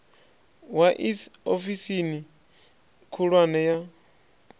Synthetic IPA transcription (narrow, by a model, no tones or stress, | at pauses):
waʔisofisini | kʰuɺwanɛja